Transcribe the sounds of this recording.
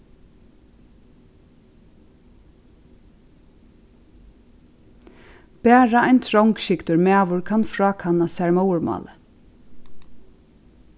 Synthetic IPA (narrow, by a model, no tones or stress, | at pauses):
b̥æːɹaajnt̪ʰɾɔwŋkʃɪkt̪ʊɹmæːʋʊɹkʰanfɹɑːkʰanːasɛɹmɔwəɹmɑ̰ːlə